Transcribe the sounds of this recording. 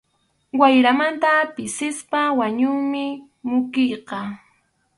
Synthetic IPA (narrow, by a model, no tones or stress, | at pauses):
wajɾamant̪apɪsɪspawaɲʊŋmɪ | mʊkɪjqɑ